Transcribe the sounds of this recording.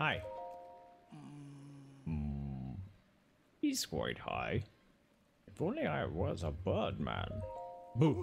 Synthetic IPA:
haɪ | hiz̥kʰw̥a̰ɪt̚ha̰ɪ | ɨfõʊ̃nliaɪwʌzəbɜ˞d̚mæ̰̃nbu

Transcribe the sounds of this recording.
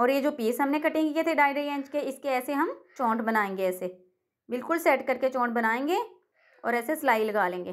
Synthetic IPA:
ɔːɾjed͡ʒoːpiːsɦɐmnekɐʈẽŋkiet̪ʰeɖaːɪɖəɾiẽːɲd͡ʒkeɪskeɛːseɦɐmt͡ʃɔ̃ːʈbɐnaːẽːŋɡeɛːse | bɪlkʊlsɛːʈkɐɾket͡ʃɔ̃ːʈ̚bɐnaːẽːŋɡeː | ɔ̰ːɾɛːseslaːilɐɡaːlẽːŋɡeː

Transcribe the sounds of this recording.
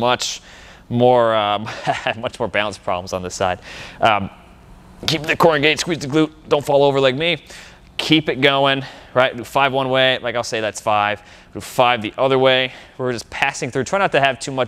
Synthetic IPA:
mʌt͡ʃ | mɔɹʌ̃mɨvmʌt͡ʃmɔɹbãʊ̃nspʰɹ̥ɑ̰blə̃m̩zn̩ðəsa̰ɪd̥̚ʔʌ̃m | kipðɨkʰɔɹɨ̃nɡeɪtskwizðɨɡlʉt̚d̥õʊ̃ntfɑlˠoʊvə˞laɪk̚mi | kʰipɨt̚ɡ̥oʊɪ̃ŋɹaɪt̚lʉfaɪvwʌ̃nweɪlʔaɪkaɪlˠseɪðætsfaɪv̥ | lʉfaɪvðiʔʌðə˞weɪwɪɹd͡ʒʌspʰæsɪ̃ŋθɹʉtʰɹ̥aɪ̃ŋntɨɨv̥tʰʉmʌ

